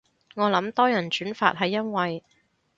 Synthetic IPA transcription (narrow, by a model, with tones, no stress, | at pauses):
ŋɔː˨˧lɐ˨˥mt̪ɔː˥jɐ˨˩nt͡ʃyː˨˥nfa̰ː˧t̚ɦɐ˨˧jːɐ˥nwɐ˨j